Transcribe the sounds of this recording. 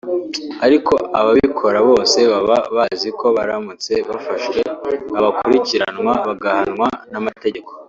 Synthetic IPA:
aɾiko̞aβaβikʰo̞ɾaβo̞ːse̞βaβaβaziko̞βaɾamut͡se̞βafaʃwe̞βaβakuɾiciɾanŋwaβaɡahanŋwanamate̞ɟe̞ko

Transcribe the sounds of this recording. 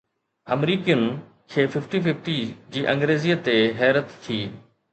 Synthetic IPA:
əmɾiːkijʊn | kʰeːfɪfʈifɪfʈid͡ʑiːʔɐ̃ŋɡɾeːziːət̪eɦɛːɾət̪ːʰiː

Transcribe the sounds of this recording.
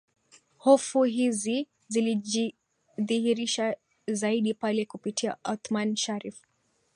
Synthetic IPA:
hɔfuɦizi | zilii | ðihiɾiʃa | zaiɗipalɛkupitʰia̰ʔat̪manʃaɾif

